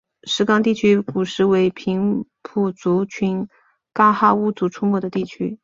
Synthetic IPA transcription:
ʂɻ̩˧˥kɑ˥ŋt̪i˥˩t͡ɕʰy˥ku˨˩ʂɻ̩˧˥˩we˧˥ɪpʰi˧˥ŋpʰu˨˩t͡su˧˥t͡ɕʰy˧˥n | ka˥xa˥˩u˥˩t͡su˧˥ʈ͡ʂʰu˥mwɔ˥˩d̪ə˩t̪i˥˩t͡ɕʰy˥

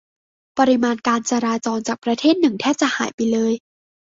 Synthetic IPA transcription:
pa˧ɾi˧maː˧nkaː˧nt͡ɕaː˧ɾaː˧t͡ɕɔː˧nt͡ɕaː˨˩k̚pɾa˧t̪ʰeː˥˩t̪̚nɯ˨˩ŋt̪ʰɛː˥˩p̚t͡ɕa˨˩ʔha̰ː˩˦jpa˧jlɤː˧j

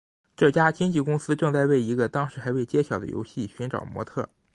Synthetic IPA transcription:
ʈ͡ʂɤ˥˩t͡ɕja˥t͡ɕi˥nt͡ɕi˥˩kʊ˥ŋsɹ̩˥ʈ͡ʂɤ˥˧ŋt͡sa˥˧ɪwe˥˩ɪi˧˥ɡə˧t̪ɑ˥ŋʂɻ̩˧˥xa˧˥ɪwe˥˩ɪt͡ɕjɛ˥ɕjɑ˨˩ʊd̪ə̰˦jo̰˧˥ɕi˥˩ɕy˧˥nʈ͡ʂɑ̰˨˩ʊmwɔ̰˧˥t̪ʰɤ̰˥˩

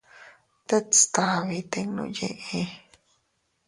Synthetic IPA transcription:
t̪e˦t͡st̪a˨βi˧t̪e˧ŋnõ̰˧jḛ̃˧ʔẽ˧

